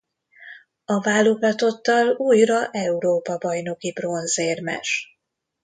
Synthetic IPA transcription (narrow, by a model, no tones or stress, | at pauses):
ɒvaːlːoɡɒt̪o̞t̪ːɒluːjrɒʔɛuɾoːpɒbɒjno̞kibro̞nzeːrmɛ̰ʃ